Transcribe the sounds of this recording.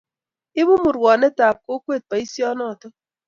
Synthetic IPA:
ɪ˦bʊ˦mʊ˨ɾwɔ˨nɛ˦ta˨p̚ko˦kwe˦˨t̪̚pa˨i˦sjɔ˦nɔ˦˨tɔ˦

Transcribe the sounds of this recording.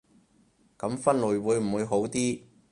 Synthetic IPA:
kɐ˨˥mfɐ˥nlɵ˨˧jwuː˨˧jm̩˨˩wuː˨˧jɦo˨˥wt̪iː˥

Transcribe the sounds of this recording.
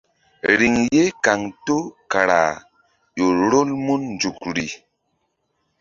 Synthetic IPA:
ɾi˨ŋje˦ka˨ŋto˦ka˨ɾa̰˨ | jo˨ɾo˦lmu˦nn˨d͡ʒu˨kɾi˨

